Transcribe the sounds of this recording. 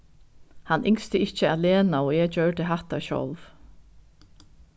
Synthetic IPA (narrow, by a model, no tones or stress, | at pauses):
hanːʔɪŋst̪əɪht͡ɕːəaðleːnaɔɣɛt͡ɕœɥɹd̪ɪɦaht̪aɕɔ̰lv